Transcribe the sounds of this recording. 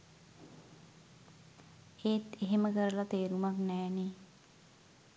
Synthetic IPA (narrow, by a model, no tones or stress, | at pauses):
eːt̪eɦeməkəɾəlat̪eːɾumaknɛːne